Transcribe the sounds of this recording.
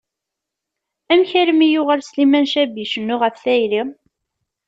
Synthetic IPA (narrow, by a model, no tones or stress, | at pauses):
æmçæɾəmijʊʁəlslimænʃæbiʃənːʊʁəfθæjɾi